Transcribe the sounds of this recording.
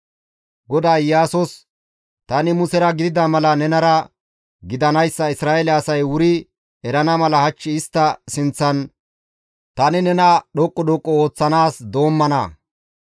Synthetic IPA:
ɡɔd̪ajjːaːsɔs | t̪ɐnɪmʊsɛɾɐɡɪd̪ɪd̪ɐmɐlɐnɛnɐɾɐ | ɡɪd̪ɐnɐjsːɐɪsɾaːelɛɐsɐjwʊɾɪ | ɛɾɐnɐmɐlɐhɐt͡ʃːɪɪst̪ːɐsɪnt͡sːɐn | t̪ɐnɪnɛnɐɗɔkʼːɔɗɔkʼːɔo̞ːt͡sːɐnaːsd̪o̞ːmːɐnɐ̰

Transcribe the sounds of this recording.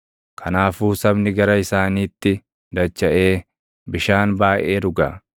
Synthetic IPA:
kʰɐnaːfuːsɐbnɪɡɐɾɐɪsaːniːt̪ːɪ | d̪ɐt͡ʃːɐʔe̞ː | bɪʃaːnbaːʔe̞ːɾʊɡɐ̰

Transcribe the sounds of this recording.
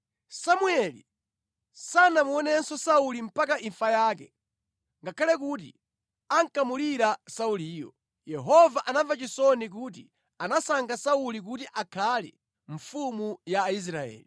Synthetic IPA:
samuɛlḭ | sanamuɔnɛnsɔsaulim̩pakaʔiɱfajaːkɛ | ŋɡakʰalɛk̬uːt̬ḭ | aŋkamuliɾasauliːjɔ̰ | jɛɦɔvaʔanavat͡ʃisɔnik̬uːt̬i | anasaŋɡasaulik̬utiʔakʰalɛ̰ | ɱ̩fumujais̬ɾaɛ̰ːli

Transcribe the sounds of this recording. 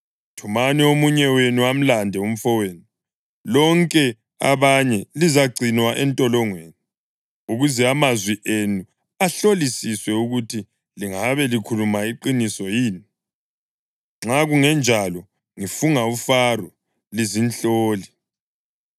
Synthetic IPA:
tʰumaniomuɲɛwenuam̩landʱɛum̩fɔweːnu | lɔŋkʼɛ | a̰βaɲɛlizaɡ͡ǀʱinwaʔɛntʼɔlɔŋweːni | uɣuzɛamazwiʔenu | aɬolisiswɛuɣutʰi | liŋaβɛlikʰulumaiǃinisɔjiːni | ŋ͡ǁaɣuŋɛnd͡ʒʱalɔ | ŋifuŋaufarɔ | lizinɬoːli

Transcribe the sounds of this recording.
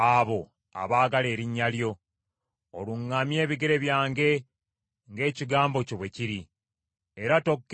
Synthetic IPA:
aβo̞ | a̰βaːɡale̞ːɾiɲːaljo̞ | oluŋːamje̞ːβiɡe̞ɾe̞βjaːŋɡe̞ | ŋɡe̞ːciɡaːmbo̞coβwe̞ciɾi | e̞ɾato̞kː

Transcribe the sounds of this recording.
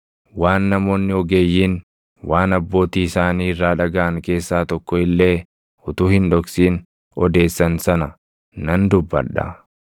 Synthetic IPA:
waːnːɐmo̞ːnːɪɔɡe̞ːjːiːn | waːnɐbːo̞ːt̪iːɪsaːniːɪrːaːᶑɐɡɐʔɐŋke̞ːsːaːt̪ɔkːɔɪlːe̞ː | ʊt̪uːhɪnᶑɔksiːn | ɔd̪e̞ːsːɐnsɐnɐ | nɐnd̪ʊbːɐ̰ᶑɐ̰

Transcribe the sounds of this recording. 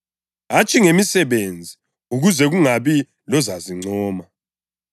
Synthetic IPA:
ɦat͡ʃʼiŋemisɛβend͡zʱi | uɣuzɛɣuŋaβi | lɔzaziŋ͡ǀɔːma

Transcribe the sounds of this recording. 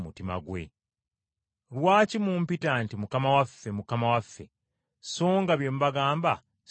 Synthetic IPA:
mutima̰ɡwe̞̰ | lwaːcimumpitantimukamawafːe̞mukamawafːe̞ | so̞ːŋɡaβje̞muβaɡaːmba

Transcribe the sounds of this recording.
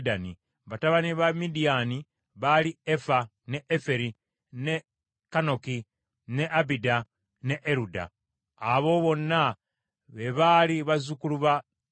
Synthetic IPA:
dani | βataβaniβamidiani | βaliefa | ne̞ʔefe̞ɾi | ne̞ | kano̞ki | ne̞ʔabida | ne̞ʔeɾuda̰ː | βo̞βo̞nːa | βeβaliβazukuluβa

